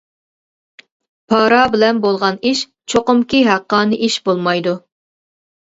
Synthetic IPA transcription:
pʰɑːɾɑbɪlɛnbolˠʁɑniʃ | t͡ʃʰoqʊmkʲiɦæqːɑːnɨʔiʃbolˠmɑjd̪u

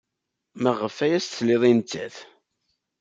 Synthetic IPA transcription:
məʁəfæjæst̪θlɪðˤint͡sːæθ

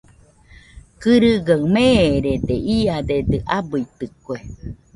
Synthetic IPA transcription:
kɨɾɨɡaɰmeːɾed̪eʔiad̪ed̪eʔabɯit̪ɨkwe

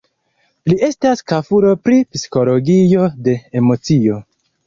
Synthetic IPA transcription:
lie̞staskafuɾo̞pɾipisi̥ko̞lo̞ɡijo̞de̞ːmo̞t͡sio̞

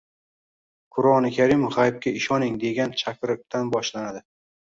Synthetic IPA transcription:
kʰʊɾɒnɪkʲʰaɾimofχajp̚kʲaɪʃɒnɪŋd̪e̞ɡʲant͡ʃʰakʲɾɪq̚t̪ʰanbɒʃlanad̪ɪ

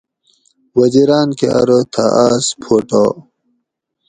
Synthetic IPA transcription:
wɐd͡ʑiɾaːnkeɐ̰ɾət̪ʰaʔaːspʰoːʈo

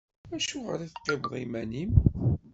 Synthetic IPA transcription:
æʃuʁə̰ɾiθəqːevʁˤḭmænim

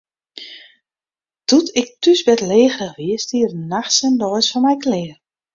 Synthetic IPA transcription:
tutʰɪk̚tysbɛtleːxrəxʋɪəstiərnaxsəndɔjsfɔnmɛjkʰlɪːər

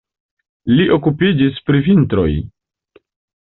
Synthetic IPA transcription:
liʔo̞kupid͡ʒispɾivintɾo̞̰j

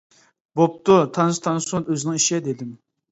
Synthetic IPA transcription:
bop̚t̪ʊt̪ʰɑnst̪ʰɑnsunøzɪnɪŋiʃɛd̪ed̪ɪm

